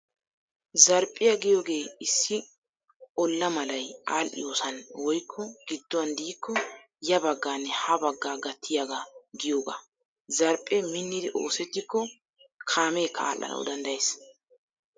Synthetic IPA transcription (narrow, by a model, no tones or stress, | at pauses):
zɐɾpʼːɪjɐɡɪjo̞ːɡe̞ːɪsːɪ | ɔlːɐmɐlɐjaːlʔɪ̰jo̞ːsɐnwɔjkʰːɔɡ̥ɪd̪ːɔwɐnd̪iːkːɔ | jɐbɐɡːaːnːɛhɐbɐɡːaːɡɐt̪ːɪjaɡaɡɪjoːɡa̰ː | zɐɾpʼːɛmɪnːɪd̪ɪʔo̞̰ːsɛt̪ːɪkːɔ | kʰaːme̞ːkʰːɐa̰ːlːɐ̰nʔɐ̰w̰d̪ɐnd̪ɐjeːs